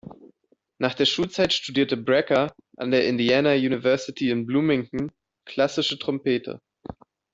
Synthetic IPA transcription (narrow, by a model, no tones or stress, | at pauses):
naːχd̥eːɐʃuːlt͡saɪtʃtudiːɐtəbʁɛkɐ | ʔa̰ndeːɐʔɪndiaːnajuːnivɛɐsɪtʰiɪnbluːmɪŋŋ̩ | kʰl̥asɪʃətʁ̥ɔmpʰeːtʰə̰